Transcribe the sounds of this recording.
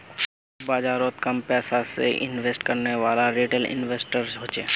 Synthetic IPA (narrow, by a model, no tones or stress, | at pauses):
baːd͡ʒaːɾoːt̪kəmpɛːsasḛʔɪ̰nʋeːsʈkɐɾneʋaːlaɾiːʈəlɪ̰nʋeːsʈəɾzɦoːt͡ʃeː